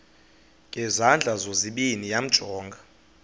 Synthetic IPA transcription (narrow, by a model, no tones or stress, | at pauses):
ŋʱɛzand͡ɮʱazoziɓinijam̩d̥ʒ̥ʱɔːŋɡʱa